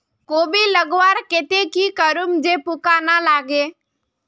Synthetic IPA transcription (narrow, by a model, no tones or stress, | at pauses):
koːbiːləɡʋaːɾkɪt̪ekiːkəɾʊmd͡ʒeːpʊkaːnaːlaːɡeː